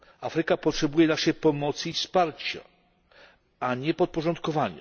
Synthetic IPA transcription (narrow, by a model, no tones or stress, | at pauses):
afɾɘkapɔtʂɛbujɛnaʂɛjpɔmɔt̪sɨifspaɾt͡ɕa̰ | aɲɛpɔt̪̚pɔʐɔnt̪̚kɔvaɲa̰